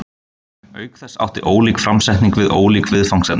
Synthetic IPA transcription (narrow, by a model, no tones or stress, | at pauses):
œːɥkθɛsːa̰wht̪ɪʔoːwlikfɾamsɛjht̪niŋkvɪðo̰ːwlikvɪðfawŋsɛn